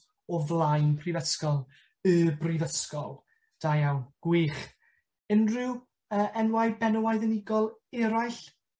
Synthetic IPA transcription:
ɔvlˠajnpʰrivəskɔlˠ | əbrivəskɔlˠ | d̥ajawɡ̥wiːχ | ɪnrɪw | əːʔɛnwajbɛnəwajðənɪɡɔlˠɛɾajɬ

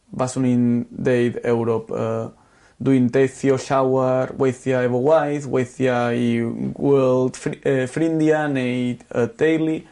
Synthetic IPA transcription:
basunind̪ejd̪ɛwɾopə | d̪uint̪eθjoʃawaɾweθjaeβowajθweθjaiwɛld̪fɾind̪janejt̪əd̪ejli

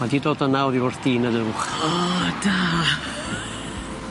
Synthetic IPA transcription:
madiːdoːdənawɾiwɔrθd̥iːnəðəwχɔd̥a

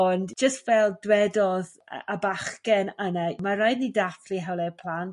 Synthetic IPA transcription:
ɔndd͡ʒ̥əstvɛlˠdwɛdɔð̰ | abaχkɛnənamaɾajdnidafliɦɛwlˠɛpʰl̥ˠant

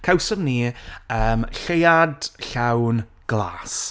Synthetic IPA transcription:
kʰawsəmniəːmɬejadɬawn | ɡ̥lˠa̰ːs

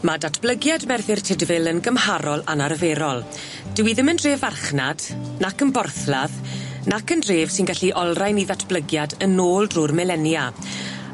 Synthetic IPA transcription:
madatʰb̥ləɡjadmɛrθɪrtʰɪdvɪlənɡəmhaɾɔlˠanaɾəveɾɔlˠ | d̥əwiðɪməndreːvarχnad̥nakənbɔrθlaðnakəndreːv̥sɪnɡaɬiʔɔlˠrajniðatʰb̥ləɡjadənoːlˠdrʊrmɛlɛnja

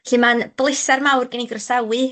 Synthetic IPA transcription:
ɬɨmanb̥lˠɪsarmawrɡɛniɡrɔsawɨ

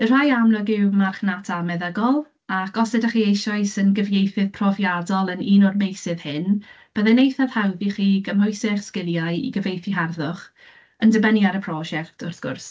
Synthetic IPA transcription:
ər̥ajamlɔɡɪwmarχnatʰamɛðəɡɔlˠ | akɔsɛdaχiːejʃɔɨsənɡəvjejθɨð̥pʰrɔvjadɔlˠəniːnɔrmejsɪð̥hɪn | b̥əðɛnejθað̥hawðiχiːɡəmɔjsɪχskɪlˠjajḭɡəvejθiɦarðʊχ | əndəbənjaɾəpʰrɔʒɛktʰɔrθɡ̥ʊ̰rs

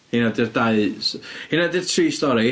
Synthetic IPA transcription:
hɪnadɪrdaɨshɪnadɨr̥tʰriːstɔɾi

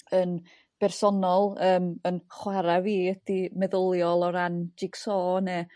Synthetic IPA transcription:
ən | b̥ɛrsɔnɔlˠəːmənχwaɾaviːəd̥imɛðəlˠjɔlˠɔɾand͡ʒiɡsɔːnɛ

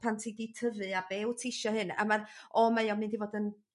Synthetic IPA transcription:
pʰantʰiditʰəvɨabeːwtʰɪʃɔhɨna̰marɔmajɔmnɨndivoːdən

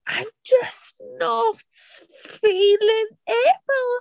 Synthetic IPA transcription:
ʔãɪ̃md͡ʒʌsnɔt | filɪ̃ŋebl̩ˠ

